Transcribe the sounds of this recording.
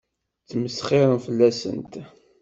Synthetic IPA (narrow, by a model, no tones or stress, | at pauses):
t͡sːməsχɪɾˤənfəlːæsə̰nt̪